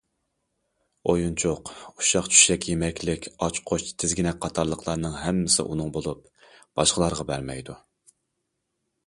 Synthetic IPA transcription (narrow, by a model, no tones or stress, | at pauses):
ojunt͡ʃʰoquʃɑqt͡ʃʰy̥ʃɛkʲjemɛkʲlɪkʲʰɑt͡ʃqʰot͡ʃt̪ʰɪzɡʲinɛk̚ʲqʰɑt̪ʰɑɾlˠəqʰlˠɑɾnɨŋɦɛmːɪsɪ̰ʔṵnɨŋbolˠup̚ | b̥ɑʃqəlˠɑɾʁɑbæɾmɛjd̪u